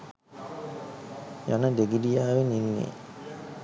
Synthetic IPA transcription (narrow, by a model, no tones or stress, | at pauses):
ja̰nəd̪eɡidijaːʋeninːḛː